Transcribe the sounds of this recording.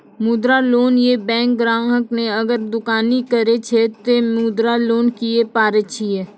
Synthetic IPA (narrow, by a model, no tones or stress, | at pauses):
mud̪ɾaloːnjebɛ̃ːŋkɡɾãːɦəkneɐɡəɾd̪ʊkaːnikəɾet͡ʃʰet̪emuːd̪ɾaloːnkiepaːɾet͡ʃʰieː